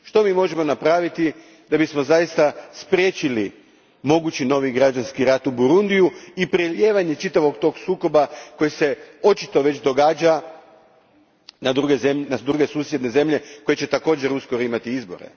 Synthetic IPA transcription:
ʃt̪o̞miːmo̞ʒemo̞napɾaːʋit̪i | d̪abismo̞zajist̪aspɾʲje̞t͡ɕili | mo̞ɡut͡ɕino̞ʋiɡɾad͡ʒanskiɾat̪ubuɾund̪ijuipɾeʎe̞ːʋaɲe̞t͡ʃit̪aʋo̞ɡt̪o̞ːɡsuːko̞bako̞jese̞o̞t͡ʃit̪o̞ʋe̞t͡ɕd̪o̞ɡaːd͡ʒa | nad̪ɾuɡezemnad̪ɾuɡe̞suːsje̞d̪ne̞ze̞mʎe̞ko̞je̞t͡ɕe̞t̪ako̞ːd͡ʒe̞ɾuskoɾimat̪iizbo̞̰ɾḛ

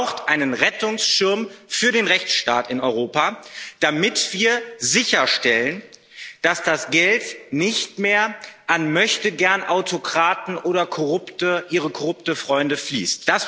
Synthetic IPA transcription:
ʊxtʔaɪnənʁɛtʊŋsʃɪɐmfyːɐɾeːnʁɛçt͡sʃta̰ːtɪnɔʏʁoːpad̥amɪtv̥iːɐzɪçɐʃtɛlən | d̥asd̥asɡ̥ɛltnɪçtmeːɐʔanmœçtəɡɛɐnʔaʊtʰokʁ̥aːtn̩ʔoːɾɐkʰoʁʊptəʔiːʁəkʰɔʁʊptəfʁ̥ɔʏndəflḭːstd̥as

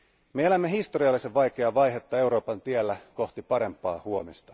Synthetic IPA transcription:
meelæmːeɦist̪o̞ɾiɑlːiseʋʋɑjk̟e̞ɑʋɑjɦet̪ːɑe̞wɾo̞ːpɑnt̪ielːæko̞ht̪ipɑɾe̞mpːˑɑ̰ːhuo̞mist̪ɑ̥

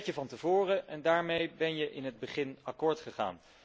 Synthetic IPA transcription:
cəvɑntəvʊːrəʔɛndaːɹmejbɛnjəʔɪnɦəd̚bəχɪnɑkʊːɹtχəχa̰ːn

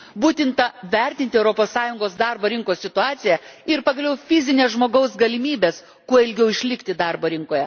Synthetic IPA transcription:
buːt̪ʲɪnt̪ɐʋʲɛɾʲt̪ʲɪnt̪ʲɪɛʊɾoːpoːssɑːjʊŋɡoːsd̪ɑɾboːɾʲɪŋkoːssʲɪt̪ʊɑːt̪sʲɪjɛɪɾpɐɡɐlʲɛʊfʲɪzʲɪnʲeːsʒmoːɡɐʊsɡɐlʲɪmʲiːbʲeːs | kuɔɪlʲɡʲɛʊɪʃʲlʲɪkt̪ʲɪd̪ɑɾboːɾʲɪŋkoːjɛ

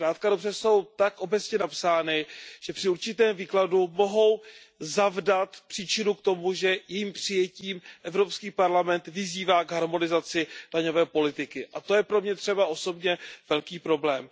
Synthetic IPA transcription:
kɾaːt̪̚kadobrɛso̞wt̪akʔo̞bɛt͡sɲɛnapsaːnɪʒ̥ɛpr̥ɪuɾt͡ʃɪt̪ɛːmviːkladumo̞ɦo̞w | zavdat̪pr̥iːt͡ʃɪnukt̪o̞muʒɛjɛjiːmpr̥ɪjɛciːmʔɛvɾo̞pskiːpaɾlamɛnt̪vɪziːvaːɡɦaɾmo̞nɪzat͡sɪd̥aɲo̞vɛːpo̞lɪt̪ɪkɪʔat̪o̞jɛpɾo̞mɲɛt̪r̝̥ɛbaʔo̞so̞bɲɛvɛlkiːpɾo̞blɛːm

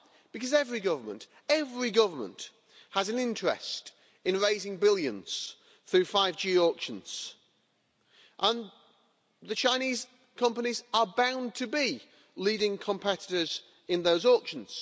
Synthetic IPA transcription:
b̥ɨkʌzɛvɹiɡʌvə˞mə̰̃nt | ɛvɹiɡʌvə˞mə̰̃nt | həzə̃nɪ̃nt͡ʃɹ̥ɛ̰st | ɪ̃nɹeɪzɪ̃ŋbɪlˠjə̃nz̥ | θɹʉːfaɪvd͡ʒiːɔˑkʃə̃nz̥ | ʔə̃n | ðət͡ʃʰãɪ̃ñiːz̥ | kʰʌ̃mpənizəbãʊ̃ntʰəbi | liːɾɪ̃ŋkʰə̃mpʰɛtɪ̥tə˞z | ɪ̃nðoʊzɔˑkʃə̃n̩z̥

